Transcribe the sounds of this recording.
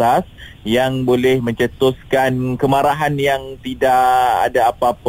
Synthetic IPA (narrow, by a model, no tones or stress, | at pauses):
as | jaŋbolɛhmə̃ɲt͡ʃət̪oskankəmaɾaɦanjaŋt̪idaʔa̰daːpap